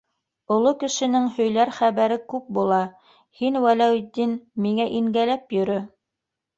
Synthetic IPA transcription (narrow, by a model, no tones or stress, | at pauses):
ŏlˠokɘ̆ʃɘ̆nɘŋhɵ̆jlæɾχæβæɾɘkʉp̚bulˠɑ | hinwælæwd̪inmiŋæʔiŋɡælæpjɵ̆ɾɵ